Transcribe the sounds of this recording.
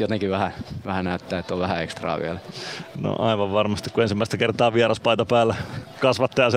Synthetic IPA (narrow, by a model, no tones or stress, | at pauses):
jot̪eŋkiʋʋæhæʋæhænæyt̪ːæːet̪ːoʋæhæekst̪rɑ̰ːʋiælæno̰ʔɑiʋɑʋʋɑrmɑst̪ikkuensimːæˑist̪ækert̪ɑːʋiɑrɑspɑit̪ɑpæːlːækɑsʋɑt̪ːɑjɑse